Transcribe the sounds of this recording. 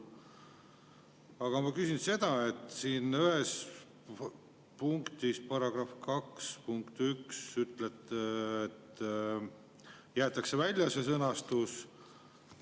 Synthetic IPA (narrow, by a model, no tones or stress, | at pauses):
ɑɡ̥ɑmɑkysʲinse̞d̪̥ɑe̞t̪ːˑsiːnyhes | puŋkt̪ispɑɾɑɡ̥rɑfkɑkspuŋkt̪yksyt̪let̪ːet̪ | jæːt̪ːˑɑkse̞vælʲjɑsesɤnɑst̪us